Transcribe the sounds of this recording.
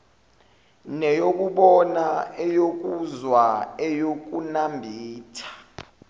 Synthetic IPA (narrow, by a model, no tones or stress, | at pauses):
nɛjok̬uɓɔnaɛjok̬ʼuzwaɛjok̬ʼunambʱiːtʰḁ